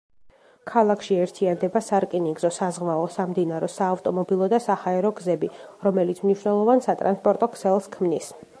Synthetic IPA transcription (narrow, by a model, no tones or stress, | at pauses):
kʰalˠakʰʃiɛɾt̪ʰiand̪ɛbasaɾkʼiniɡzɔsazʁvaɔsamd̪inaɾɔsaːvt̪ʼɔmɔbilˠɔd̪asahaɛɾɔɡzɛbiɾɔmɛlit̪sʰmniʃwnɛlˠɔvansat̪ʼɾa̰nspʼɔɾt̪ʼɔkʰsɛlˠskʰmnis